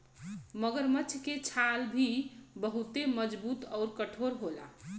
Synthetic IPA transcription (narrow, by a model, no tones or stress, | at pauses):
məɡəɾmət͡ʃʰket͡ʃʰalbʱibəɦut̪eməd͡ʒbut̪ʌʊɾkəʈʰoɾɦola̰